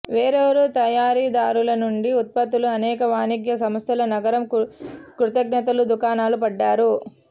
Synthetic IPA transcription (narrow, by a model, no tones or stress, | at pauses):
ʋeːɾeʋɐɾut̪ɐjaːɾiːd̪aːɾulɐnuɳɖiut̪̚pɐt̪uluɐnɛːkɐʋaːniɡjɐsɐmɐst̪ʰɐlɐnɐɡɐɾɐmkɾut̪ɐɡnɐt̪ɐlud̪ukaːnaːlupɐɖːaːɾu